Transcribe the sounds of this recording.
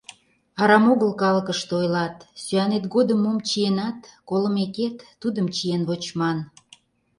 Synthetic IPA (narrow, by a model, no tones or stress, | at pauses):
ɑɾɑmoɣəlkɑlkəʃt̪eojlɑt̪syænet̪ɡod̪əmːomt͡ɕijenɑt̪koləmeket̪ːud̪əmt͡ɕijenβot͡ɕmɑn